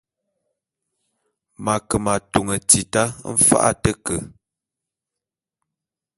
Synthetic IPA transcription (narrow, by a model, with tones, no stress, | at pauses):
ma˨kə˨ma˨tu˨ŋə˨ti˨ta˦m̩˦fa̰˦ʔa̰˦tə˦kə˨